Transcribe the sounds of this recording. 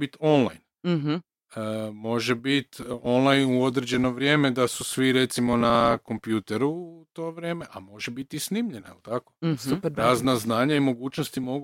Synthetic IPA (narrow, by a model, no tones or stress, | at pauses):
it̪o̞nlˠa̰jn | ɦ | əmo̞ʒe̞bit̪o̞nlˠajnuo̞d̪ɾed͡ʑe̞no̞ʋɾje̞ːme̞d̪asusʋiɾet̪simo̞nako̞mpjut̪eɾut̪o̞ːʋɾje̞ːme̞ʔamo̞ʒebit̪isnimʎenaelt̪akosuɾaːznaznaːɲaimo̞ɡuːt͡ʃnost̪imo̞ɡ